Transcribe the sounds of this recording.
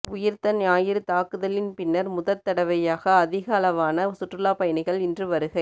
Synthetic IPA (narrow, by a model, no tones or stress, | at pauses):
ʊjɪɾt̪ɐnaːjɪɾɯt̪aːkɯðɐlɪnpɪnːɐɾmʊðɐt̪ːɐɽɐʋɐjaːɣɐːðɪɣɐːlɐʋaːnɐsʊʈrɯlaːpɐjɐnɪɣɐɭɪndrɯʋɐɾɯɣɐɪ